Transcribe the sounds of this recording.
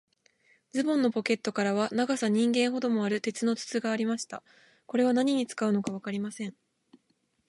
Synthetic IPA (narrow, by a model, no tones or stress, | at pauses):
d͡zɨbõnːo̞po̞ke̞t̪ːo̞kaɾaβ̞anaɡasaɲ̟ĩŋɡẽ̞ɰ̃ɦo̞d̪o̞mo̞aɾɯ̟t̪e̞t͡sɨno̞t͡sɨ̥t͡sɨɡaːɾʲimaɕi̥t̪a̰ | ko̞ɾe̞βanaɲ̟iɲ̟it͡sɨ̥kaɯ̟no̞kaβ̞akaɾʲimasẽ̞ɴ